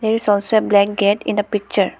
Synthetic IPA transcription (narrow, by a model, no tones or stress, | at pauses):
d̪eɾisɔːlsoeblɛk̚ɡeʈɪ̃nd̪əpik̚t͡ʃəɾ